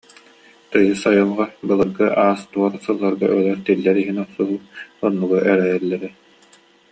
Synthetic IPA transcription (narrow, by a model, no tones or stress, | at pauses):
t̪ɯjɯsajɯlˠʁabɯlˠɯɾɡɯʔaːst̪uɔɾsɯlˠːaɾɡaʔœlɛɾt̪ilːɛɾiɦinɔqsuɦuɔnːuɡɔʔɛɾɛjɛlːɛɾɛ